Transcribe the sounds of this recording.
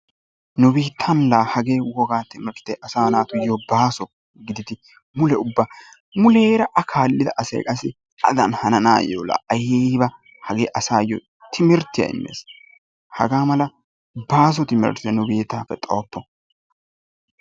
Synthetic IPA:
nʊbiːt̪ʰːɐnlaːhɐɡeːwɔɡaːt̪ɪmɛɾt̪ːɛʔɐsaːnaːt̪ʊjɔbaːsɔ | ɡɪd̪ɪt̪ɪ | mʊlɛʊbːaː | mʊleːɾɐʔɐkʰaːlːɪd̪ɐʔːsɛ̰ːkʼɐsɪ | ɐ̰d̪ɐ̰nhɐnɐna̰ːjo̰ːlɐ̰ʔɐjeːbɐ | hɐɡeːʔɐsaːjɔ | t̪ʰɪmɪɾt̪ːɪjɐ̰ɪ̰mːḛːs | hɐ̰ɡaːmɐlɐ | baːs̬ɔt̪ɪmɛ̰ɾt̪ɪjɐnʊbeːt̪ːaːfɛt̪ʼoːpːɔ

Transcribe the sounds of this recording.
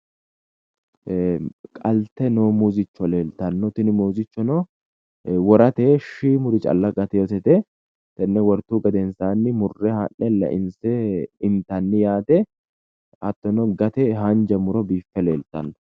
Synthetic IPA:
kʼɐlt̪ːɛnoːmuzɪt͡ʃːɔleːlt̪ɐnːɔt̪ɪnɪmuːzɪt͡ʃːɔnɔ | wɔɾɐt̪ɛʃiːmʊɾɪt͡ʃʼɐ̰lːɐɡɐt̪ɛjot̪ɛt̪ɛ | t̪ɛnːɛwɔɾt̪ːuːɡɐd̪ɛnsaːnːɪmʊrːɛhɐnːɛlɐ̰ʔɪnsɛɪnt̪ɐnːɪjaːt̪ɛ | ɐt̪ːɔnɔɡɐt̪ɛɦɐnd͡ʒɐmʊɾɔbiːfːɛleːlt̪ɐnːɔ̥

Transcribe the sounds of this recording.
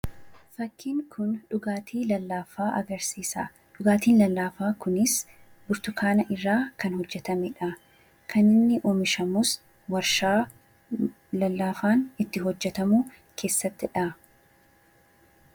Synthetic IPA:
fɐkʰːiːŋkʰʊnᶑʊɡaːt̪ʰiːlɐlːaːfaːʔɐ̰ɡɐɾsiːsa̰ː | ᶑʊɡaːt̪iːnlɐlːaːfaːkʊnɪs | bʊɾt̪ʊkʰaːnɐʔɪrːaːkɐnhɔd͡ʒːɛt̪ɐmɛᶑɐ | kʰɐnɪnːɪʔoːmɪʃɐmus | wɐɾʃaː | lɐlːaːfaːnɪt̪ːɪɦɔd͡ʒːɛt̪ɐmuː | kʰe̞ːsːɐt̪ːɪᶑɐ

